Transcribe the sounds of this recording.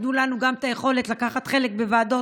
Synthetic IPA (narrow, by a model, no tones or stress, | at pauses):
nulanuɡamt̪ajeχo̞let̪lakaχat̪χe̞lek̚bevaːdo̞